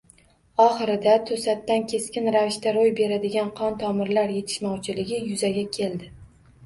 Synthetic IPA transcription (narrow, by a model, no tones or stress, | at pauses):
ɒχɨɾɪd̪at̪ʰɵsat̪ːankʲʰe̞skʲɪnɾavɪʃt̪aɾojbe̞ɾad̪ɪɡʲanqʰɒnt̪ʰɒmɪɾlaɾje̞t̪ʰɪ̥ʃmɒwt͡ʃʰɪlɪɡʲɪjʊzaɡʲakʲʰe̞ld̪ɪ